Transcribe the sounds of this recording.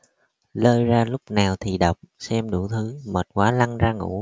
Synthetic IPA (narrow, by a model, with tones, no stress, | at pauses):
ləː˧jzaː˧lʊ˦˥k͡p̚naː˨˩wt̪ʰi˨˩ɗə˨˩wk͡p̚sɛ˧mɗu˧˩t̪ʰɨ˨˦məː˨˩t̚kwaː˨˦la˧ŋzaː˧ŋṵ˧˥